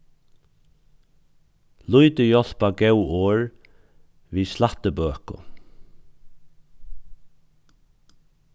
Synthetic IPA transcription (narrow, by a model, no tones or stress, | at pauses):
lujt̪əjɔl̥paɡɛwoːɹ | ʋiːslaht̪əbøːkʊ̰